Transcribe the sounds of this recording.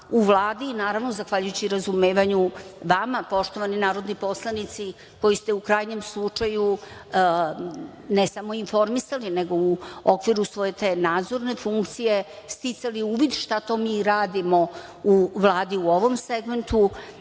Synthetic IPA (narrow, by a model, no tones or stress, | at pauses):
uʋlˠaːd̪inaːɾaʋno̞zaxʋaʎujut͡ɕiɾazumeːʋaɲuʋamapo̞ʃt̪o̞ʋaninaːɾo̞d̪nipo̞slˠanit̪si | ko̞jist̪e̞ukɾaːjɲe̞mslˠut͡ʂaju | nesamo̞info̞ɾmisalineɡo̞uokʋiɾusʋo̞je̞t̪e̞ːnaːd̪zo̞ɾne̞fuŋkt̪sije̞ | st̪it̪saliuːʋid̪ʃt̪at̪o̞miːɾaːd̪imo̞ | uʋlˠaːd̪iuo̞ʋo̞mse̞ɡme̞nt̪u